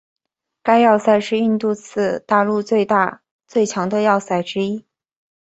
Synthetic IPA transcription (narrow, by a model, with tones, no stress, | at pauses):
ka˥ɪjɑ˥˧ʊsa˥˩ɪʂɻ̩˥˧i˥˧nt̪u˥˧t͡sʰɹ̩˥˧t̪a˥˧lu˥˧t͡swe˥˧ɪt̪a˥˧ | t͡swe˥˩ɪt͡ɕʰjɑ˧˥ŋd̪ə˧jɑ˥˩ʊsa˥˩ɪʈ͡ʂɻ̩˥i˥